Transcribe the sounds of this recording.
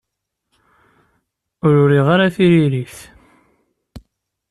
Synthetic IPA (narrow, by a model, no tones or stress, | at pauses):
ʊɾʊɾiʁaɾaθiɾiɾiθ